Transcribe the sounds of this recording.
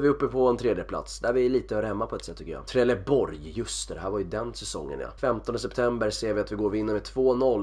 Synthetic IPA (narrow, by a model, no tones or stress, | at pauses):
vɪɵpːəpʰɔɛnt̪ʰɾeːd̪jəpʰla̰t̪sd̪æɾvɪliːt̪əhœːɾhɛmːapʰɔɛt̪sɛt̪ːʏkːəjɑ̰ːt̪ʰɾɛlɛbɔɾjjɵst̪əd̪ɛɦæːɾvaɾjɵd̪ɛnsɛsɔ̰ŋːə̰njɑ̰fɛmt̪ɔnd̪əsɛpt̪ʰɛmbəɾseːɾvɪat̪vɪɡoːɾɔvɪnːəɾmɛt̪ʰvoːnɔlː